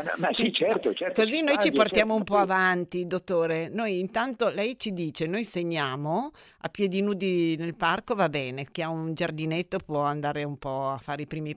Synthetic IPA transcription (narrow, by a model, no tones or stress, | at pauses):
ɛsit͡ʃɛrt̪ot͡ʃɛɾkozinojt͡ʃiport̪jaːmoumpɔavant̪id̪ot̪ːoːɾenojint̪ant̪olɛjt͡ʃid̪iːt͡ʃenojseɲːaːmo | a̰pːjed̪inuːd̪inelparkovabɛːnekeaund͡ʒard̪inet̪ːopwɔand̪aːɾeumpɔafːaːɾeipɾiːmi